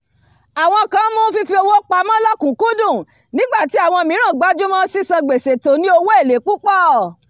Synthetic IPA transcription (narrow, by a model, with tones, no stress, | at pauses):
a˨w̃ɔ̃˧kã˨˦mũ˦fi˧fi˧o˧wo˦k͡pa˧˦mã˦lɔ˦kũ˨kũ˦dũ˦˨ | nĩ˦ɡ͡ba˦˨ti˨˦a˦˨w̃ɔ̃˧mĩ˨˦ɾ̃ã˦˨ɡ͡ba˨˦d͡ʒu˦mã˦si˦sã˧ɡ͡be˨se˨to˨˦nĩ˦o˧wo˦e˦˨le˨˦k͡pu˦k͡pɔ˦˨